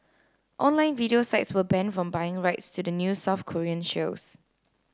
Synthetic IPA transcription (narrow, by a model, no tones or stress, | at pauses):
ʔɔ̃nlãɪ̃nviɾiosaɪtswəbɛ̃nfɹɔ̃mbaɪɪ̃ŋɹaɪtstʰudənjusaʊfkʰɔɹiə̃nʃos